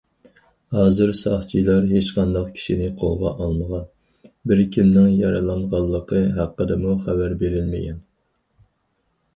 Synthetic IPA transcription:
hɑːzɨɾsɑχt͡ʃʰilˠɑɾɦet͡ʃqʰɑnd̪ɑqkʲʰi̥ʃinɪqʰolˠʁɑ̰ʔɑlˠməʁɑn | bɪɾkʲʰimnɪŋjɑɾɨlˠɑɴʁɑlˠːəqʰəɦæqːəd̪ɨmuχævæɾbeɾɪlmɪ̰ɡʲɛ̰n

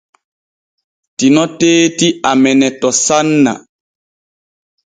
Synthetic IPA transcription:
tinɔteːtiamɛnɛtɔsanːa̰

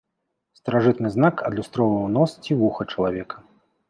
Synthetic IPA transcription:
st̪ɐɾaʐɨt̪nɨznakʰɐd̪lʲust̪ɾɔvɐwnɔst͡sʲivuxɐt͡ʂɐlˠavʲɛkɐ

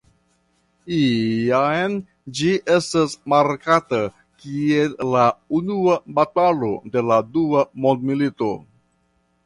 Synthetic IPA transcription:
iajn | d͡ʒiʔe̞stasmaɾkata | kiellːaunuabatalo̞de̞laduamo̞ndmilito̞

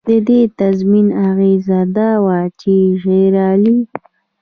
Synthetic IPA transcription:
d̪əd̪et̪azminaɣezad̪awat͡ʃeʒeɾɑli

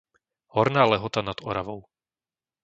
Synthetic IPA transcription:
hɔɾnaːlɛɦɔt̪anad̪̥ɔɾaʋɔʊ

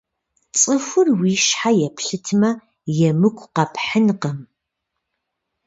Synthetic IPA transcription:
t͡sʼɨfʷʊrwiʃħajɛpʰɬɨtʰmɐ | jɛmɨkʷʰʼqɐpħənqɐm

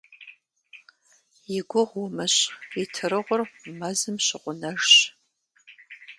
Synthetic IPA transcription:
jɪɡʷʊʁwʊmɐɕitʰɨrɨʁʷʊrmɐzɨmɕɪqʷʊnɐʒɕ

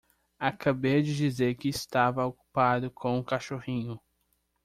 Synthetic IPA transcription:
akʰabejɐd͡ʒɪd͡ʒizeɾkɪːst̪avɐoku̥pad̪ʊkʰõw̃ũkaʃohĩɲʊ

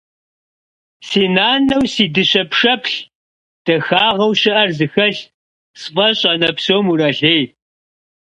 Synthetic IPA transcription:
siːnaːnɐwsiːdɨɕɐpʰʂɐpʰɬ | d̥ɐxaːʁɐwɕɪʔɐrzɨxɐɬ | sfʼɐɕʼɐnɐpsoːmuɾɐɬeːj

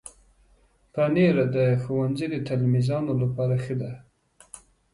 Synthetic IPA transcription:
paneɾad̪əxuwanzid̪ət̪almizɑnolapɑɾaxəd̪a

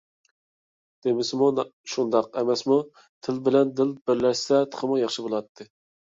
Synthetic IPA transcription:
d̪̥emɪsɪmuʃund̪ɑqɛmɛsmu | t̪ʰɪlbɪlɛnd̪ɪlbɪɾlɛʃsɛt̪ʰə̥χʰəmujɑχʃibolˠɑt̪ʰːɨ

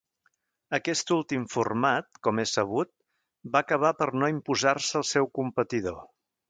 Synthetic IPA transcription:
əkɛst̪ulˠt̪imfurmat̪̚kɔmesəβ̞ut̪̚ | bakəβ̞apəɾnoimpuzarsəːlˠsɛwkumpət̪iðo

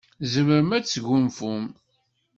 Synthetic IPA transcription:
zəməɾəmæt͡sːʝʊmfum

